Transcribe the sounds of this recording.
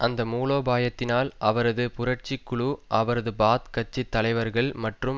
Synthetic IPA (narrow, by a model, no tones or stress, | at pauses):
ʔɐnd̪ɐmuːloːbaːjɐt̪ːɪnaːlʔɐʋɐɾɐðɯpʊɾɐʈt͡ʃɪkːɯɭuʔɐʋɐɾɐðɯbaːt̪kɐt͡ʃːɪt̪ːɐlɐɪʋɐɾɣɐɭmɐʈrɯm